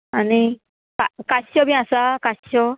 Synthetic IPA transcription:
ani | kakaɕɔbiasakaɕɔ

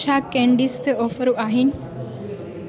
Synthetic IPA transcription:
t͡ʃʰaːkẽːɳɖist̪ʰeɔːfəɾuʔaːɦɪnɪ̆

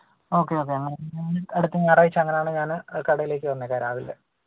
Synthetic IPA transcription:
o̞ːkːe̞o̞ːkːe̞ɐŋːɐneinɨɐɽut̪ːɨɲaːraːjit͡ɕːɐŋːɐnejaːɳɨɲaːnkɐɽɐjile̞ːk̬ʲːɨʋɐnːɐkːaːɾaːʋilːḛ

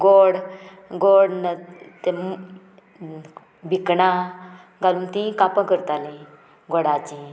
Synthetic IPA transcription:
ɡoɽ | ɡoːɽnt̪em | bikɳa | ɡalumt̪ĩkapãkəɾt̪alĩ | ɡoɽaːt͡ʃĩ

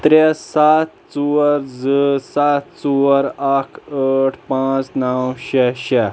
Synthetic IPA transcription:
t̪ɾesat̪̚t͡suəɾd͡zəsat̪t͡suəɾakʰəʈʰpãt͡snawɕɛɕɛ

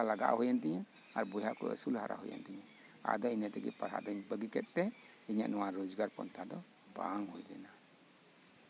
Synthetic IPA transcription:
alaɡa̰ʔhɔjant̪ɛɲa | a̰ɾbɔjɦaʔkɔ̰ɛ̰sulha̰ɾʔa̰ɦɔ̰ja̰nt̪ɛɲa | a̰d̪ɔinɛt̪ɛɡɛ̰palɦa̰d̪ɔɲbəɡikɛt̪̚ˀt̪ɛ | iɲa̰ʔnɔwaɾɔd͡ʒɡaɾpɔ̰nt̪ʰad̪ɔ | ba̰ŋhṵjlɛ̰na

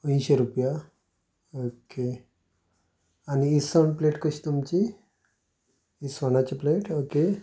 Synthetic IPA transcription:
əĩɕeɾupja | oke | aniːsənpleʈkəɕi̥t̪umt͡ɕi | isʋanat͡ɕeplejʈoke

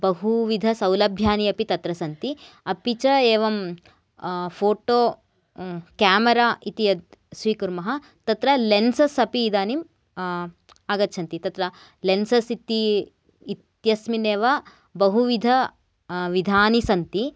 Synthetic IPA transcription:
bɐɦuʋid̪ʱɐsɐwlɐbʱjaːniɐpit̪ɐt̪ɾɐsɐnt̪iɐpit͡ʃɐeːʋɐm | pʰoːʈoː | kaːmɐɾaːʔit̪iɐd̪̚sʋiːkuɾmɐɦɐ | t̪ɐt̪ɾɐlensɐsɐpiːd̪aːnim | aːɡɐt̪ːʃʰɐnt̪it̪ɐt̪ɾɐ | lensɐsit̪iː | t̪jɐsmineːʋɐ | bɐɦuʋid̪ʱɐ | ʋid̪ʱaːnisɐnt̪i

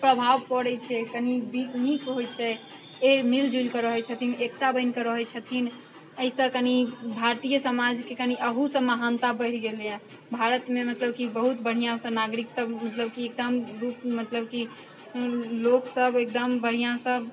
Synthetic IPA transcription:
pɾəbʱaʋpɔɽɛt͡ʃʰɛkənibinikɦojt͡ʃʰɛ | emild͡ʒulkəɾəɦɛt͡ʃʰət̪ʰinekt̪abənkəɾəɦɛt͡ʃʰət̪ʰin | əisə̃kənibʱaɾt̪ijəsəmad͡ʒkekəniʔəɦusə̃məɦant̪abəɪɾɡelɛ | bʱaɾət̪memət̪ləb̚kibəɦut̪bəɽ̤ijãsə̃naɡɾiksəbmət̪ləb̚kiek̚d̪əmɾupmət̪ləbki | loksəbek̚d̪əmbəɽ̤ijãsəb

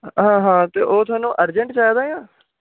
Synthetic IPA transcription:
ɦãːɦãːt̪eːʔoːt̪ʰʊaːnũːʔəɾd͡ʒəɳʈt͡ʃaːd̪aːjãː

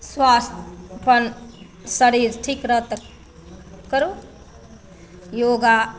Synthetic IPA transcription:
swast̪ʰpʌn | səɾiɾʈʰikɾʌt̪ | kəɾu | joɡa

